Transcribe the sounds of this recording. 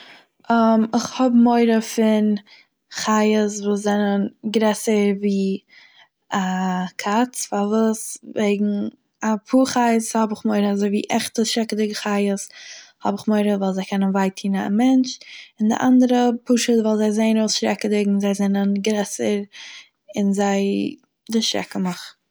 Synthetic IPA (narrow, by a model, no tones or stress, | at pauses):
ʔɔmɪχhɔbmoɪɾəfɪn | χaɪəsvuːs̬zɛnənɡɾɛsəɾviː | akʰat͡sfavuːsveɪɡŋ̩ | apʰuːχaɪəshɔbɪχmoɪɾəazoɪvḭːʔɛχtəsʃɾɛkədɪɡχaɪəshɔ̰bɪχmoɪɾəvalˠzaɪkʰɛnənvaɪtʰiːna̰mɛnt͡ʃɪndɪ̰ʔa̰ndəɾəpʊʃətvɛlˠzaɪzeɪnoʊsʃɾɛkədɪɡŋ̩zaɪzɛnənɡɾɛsəɾ | ɪ̰nzaɪ | dɪʃɾɛ̰kəmɔχ